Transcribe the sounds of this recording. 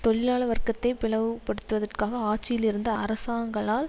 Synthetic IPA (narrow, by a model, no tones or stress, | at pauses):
t̪ɔɭɪlaːɭɐʋɐrkːɐt̪ːɐɪpɪɭɐʋɯpɐɽɯt̪ːɯʋɐðɐrkaːɣɐaːʈ̚t͡ʃːɪjɪlɪɾɯnd̪ɐɐɾɐsaːŋɡɐɭaːl